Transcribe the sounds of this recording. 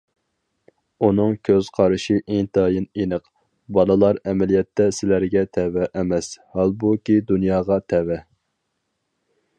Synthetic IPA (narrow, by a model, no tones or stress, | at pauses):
unɨŋkʲʰøz̥qʰɑɾɨʃiʔeŋt̪ʰɑːjinenɨq | bɑlˠɨlˠɑɾɛmɛlijɛt̪ʰːɛsɪlæɾɡʲɛt̪ʰɛvɛʔːmɛshɑlˠbukʲid̪unjɑːʁɑt̪ʰɛwɛ